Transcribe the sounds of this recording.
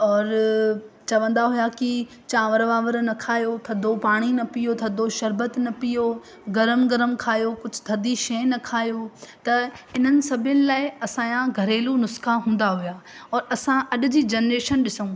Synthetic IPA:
ɔːɾ | t͡ɕɐʋə̃nd̪aɦʊjaki | t͡ɕãʋɐɾʋaːʋəɾnɐkʰaːjot̪ʰɐd̪ʱopaːɽ̃inɐpijot̪ʰɐd̪ʱoʃɐɾbət̪nɐpijo | ɡɐɾəmɡɐɾəmkʰaːjokʊd͡ʑʱʊ̥̆t̪ʰɐd̪iʃɐnɐkʰaːijot̪ɐɪn̤ənɪ̆sɐbʱjənɪ̆laːɪɐsãːjãɡʱɐɾeːlunʊskaɦũːnd̪aɦujaːɔːɾɐsãʔɐɗʊ̆d͡ʑiːd͡ʑeːnɾeːʃənɗɪsũ

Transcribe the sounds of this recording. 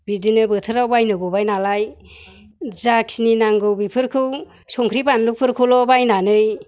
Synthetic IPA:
bidinɯbɯtʰɯɾawbajnɯɡɔbajnalaj | zak̚sininaŋɡɯwbipʰɯɾkʰɯw | sɔŋkʰɾibanlupʰɯɾkʰɯlɔbajnanɯj

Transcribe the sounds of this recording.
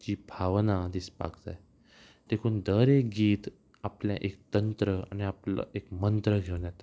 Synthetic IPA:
t͡ɕiːbʱaʋnad̪ispa̰kd͡za̰j | t̪ekʰuːnd̪əɾekɡiːt̪ | apljãʔekt̪ənt̪ɾəa̰niapla̰ekmənt̪ɾəɡʱewnat̪

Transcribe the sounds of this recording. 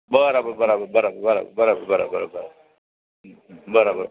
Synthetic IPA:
baaɾababaɾababaɾabbaɾa̰b̰baɾababaɾa̰baɾabaɾa | baɾabaɾ

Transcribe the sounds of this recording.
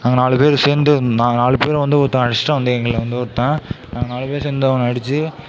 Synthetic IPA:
naːŋɡɐnaːlɯpeːɾɯseːnd̪ɯnaːnaːɭɯpeːɾ̃ʋɐnd̪ɯɔɾɯt̪ːãɐɽɪʂʈɐ̃ʋɐnd̪ɯɛŋɡɐɭɪlʋɐnd̪ɯɪɾɯt̪ːẽːnaːɡɐnaːlɯpeːɾseːnd̪ɐʋɐ̃ŋɐɽɪt͡ʃːɯ

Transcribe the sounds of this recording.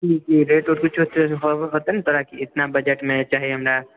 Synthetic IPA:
d͡ʒiːd͡ʒiːɾeːʈoːɾkʊt͡ʃʰot̪ɦoɦoːt̪ent̪oːɾakiɪt̪nabɐd͡ʒəʈmẽt͡ʃaːɦieɦɐmɾa

